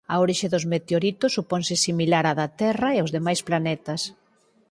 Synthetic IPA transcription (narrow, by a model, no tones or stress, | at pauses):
ɐoɾiʃeðʊzmet̪eoɾit̪ʊsːupɔnsɪsimilaɾaðat̪ɛrɐeozðemajsplanɛt̪ɐs